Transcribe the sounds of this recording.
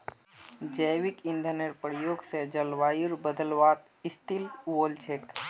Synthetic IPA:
d͡ʒəjʋikind̪ʱəneɾpəɾjoːɡsed͡ʒəlʋaːjiɾbəd̪əlʋaːt̪ | ist̪ilwoːlt͡ʃʰek

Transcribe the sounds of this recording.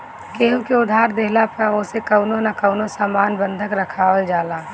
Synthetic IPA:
keːɦũkeʊd̪ʱaːɾd̪eɦlapəoːsekəʊnonakəʊnosaːmaːnbə̃nd̪ʱəkɾəkʰaːwəld͡ʒaːlaː

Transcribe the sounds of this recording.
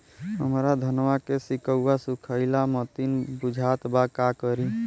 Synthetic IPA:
ɦəmɾad̪ʱənwakesikəuːasukʰəɪlamət̪inbud͡ʒʱat̪bakakəɾi

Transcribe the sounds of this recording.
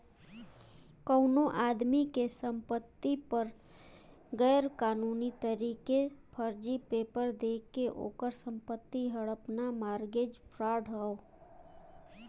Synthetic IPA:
kəʊnoʔaːd̪mikesə̃mpət̪ːipəɾ | ɡɛːɾkaːnuːnit̪əɾiːkepʰəɾd͡ʒipeːpəɾd̪eːkeʔo̰ːkəɾsə̃mpət̪ːiɦəɽəpnamaːɾɡed͡ʒpʰɾaːɖʱɦəo

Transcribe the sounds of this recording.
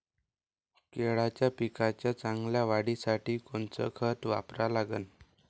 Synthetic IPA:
keɭat͡ɕjapikat͡ɕjat͡saŋɡljaʋaɽisaʈiːkoɳt͡sə̰kʰət̪ʋa̰pɾalaɡən

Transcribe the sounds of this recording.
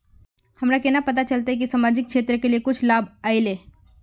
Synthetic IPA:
hɐmɾakɛnapɐt̪̬at͡ʃɐlt̪aɦɛk̬isaːmaːd͡ʒɪk̚ʃeːt̪ɾəkeliekʊt͡ʃʰlaːbaːɪleː

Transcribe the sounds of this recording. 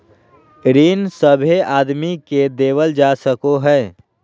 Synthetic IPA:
ɾiːnsəbʱeaːd̪miked̪eːʋəld͡ʒaːsəkoɦɛː

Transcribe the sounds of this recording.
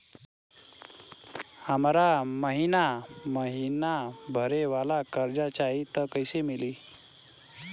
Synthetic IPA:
amaɾaməɦinaməɦinabʱəɾeʋalakəɾd͡ʑat͡ɕait̪əkəjsemiliː

